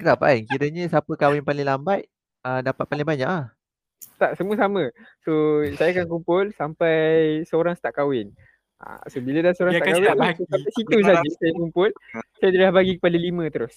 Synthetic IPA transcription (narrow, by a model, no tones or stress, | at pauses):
kət̪apaiŋkiɾəɲə̃sapəkawɪnpalɪŋlambat̪̚ | ədapat̪̚palɪŋbaɲaʔah | st̪aʔsəmũəsamə̃sosajakank̬umpʊlsampajsəoɾaŋsə̥t̪aʔkawɪn | a̰sobilədasəoɾaŋaʔkawɪnɪsaaʔsit̪us̬ad͡ʒəsajakumpʊlsajadəlahbaɡikə̥padalimə̃t̪əɾʊs